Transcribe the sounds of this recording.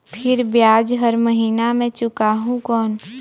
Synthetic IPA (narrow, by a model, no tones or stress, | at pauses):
pʰɪɾbjaːd͡ʒɦəɾməɦiːnamẽt͡ʃʊkaːɦũkɔːn